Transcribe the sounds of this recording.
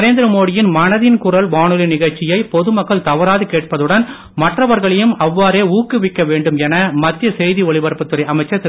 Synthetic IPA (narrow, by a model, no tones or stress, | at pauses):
ɐɾeːnd̪ɯɾɐmoːɽɪjɪnmɐnɐðɪnkʊɾɐlʋaːɳɯlinɪɣɐɻt͡ʃːɪjɐɪpɔðɯmɐkːɐɭt̪ɐʋɐɾaːðɯkeːʈ̚pɐðɯɽɐn | mɐʈrɐʋɐɾɣɐɭɐjɯmɐʋːaːɾeːuːkːɯʋɪkːɐʋeːɳɖɯmɛnɐmɐt̪ːɪjɐsɛjðiɔɭɪʋɐɾpɐt̪ːɯɾɐɪʔɐmɐɪt͡ʃːɐt